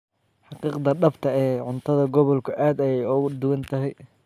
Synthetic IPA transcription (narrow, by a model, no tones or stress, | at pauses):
ħɑqiːqd̪ɐɖɐft̪ʰɐɛːʕʊnt̪ʰɐðɐɡɔβɔlkʰʊʔaːd̪ɛjɛjʊɣʊd̪ʊwɐnt̪ʰɐɦɛj